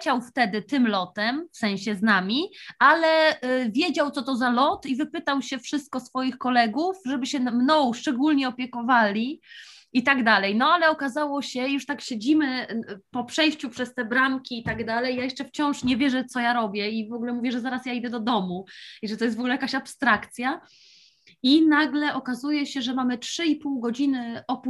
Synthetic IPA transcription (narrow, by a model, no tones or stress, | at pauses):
t͡ɕawft̪ɛd̪ɘt̪ɘmlɔt̪ɛmfsɛ̃ɕɛznamʲiʔalɛvʲjed͡ʑawt̪ɔt̪ɔzalɔt̪ivɘpɘt̪awɕɛfʂɘst̪̚kɔsfɔjixkɔlɛɡufʐɛbɘɕɛmnɔwʂt͡ʂɛɡulɲɛɔpʲjɛkɔvalʲi | it̪aɡd̪alɛjnɔalɛɔkazawɔɕɛjuʂt̪akɕed͡ʑimɘpɔpʂɛjɕt͡ɕupʂɛst̪ɛbɾamkʲiːt̪aɡd̪alɛjːajɛʂt͡ʂɛft͡ɕɔ̃w̃ʂɲɛvʲjɛʐɛt̪sɔjaɾɔbʲjɛivɔɡulɛmuvʲjɛʐɛzaɾasjaid̪ɛd̪ɔd̪ɔmuiʐɛt̪ɔjɛsvɔɡulɛjakaɕapst̪ɾakt̪sʲja | inaɡlɛʔɔkazujɛɕɛʐɛmamɘtʂɘipuwɡɔd͡ʑinɘɔp